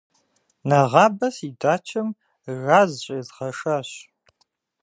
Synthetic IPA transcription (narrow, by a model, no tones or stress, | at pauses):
nɐʁɑːbɐsidaːt͡ʃʰɐm | raːzɕʼɐzʁɐʂaːɕ